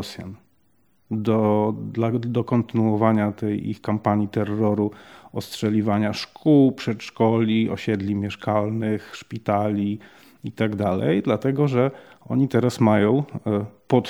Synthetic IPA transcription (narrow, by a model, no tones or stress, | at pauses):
sʲja̰n | d̪ɔd̪lad̪ɔkɔnt̪ɘnuɔvaɲat̪ɛjḭxkampaɲit̪ɛrːɔɾuɔstʂɛlʲivaɲaʂkʰuwpʂɛt̪ʂkɔlʲiɔ̰ɕɛd̪lʲimʲjɛʂkalnɘxʂpʲit̪alʲi | it̪aɡd̪alɛ̰jd̪lat̪ɛɡɔʐɛɔ̰ɲit̪ɛɾasmajɔ̃w̃pɔt̪